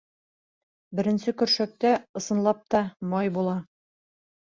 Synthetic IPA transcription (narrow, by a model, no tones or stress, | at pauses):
bɘ̆ɾɘ̆nsɘkɵ̆ɾʃæk̚t̪æɤ̆sɤ̆nlˠɑp̚t̪ɑmɑjbulˠɑ